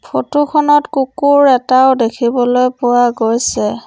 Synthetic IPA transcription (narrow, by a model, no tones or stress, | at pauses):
pʰotukʰɔnɔtkukuɹɛtaʊdekʰibɔlojpʊwaɡojsɛ